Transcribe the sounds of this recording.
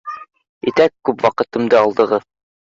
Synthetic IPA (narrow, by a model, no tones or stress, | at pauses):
it̪ækkːʉpwɑqɤ̆t̪ɤ̆md̪ɤɑlˠd̪ɤ̆ʁɤ